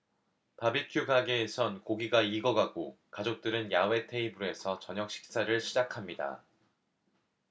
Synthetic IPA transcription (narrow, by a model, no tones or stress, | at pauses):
pabikʰjuɡaɡeːsʰʌnkoɡiɡaiɡʌɡaɡokad͡ʑok̚t͈ɯɾɯnjawe̞tʰe̞ibue̞sʰʌt͡ɕʌɲʌk̚ɕ͈ʰi̥k̚s͈aɾɯɭɕʰid͡ʑakʰamɲida̰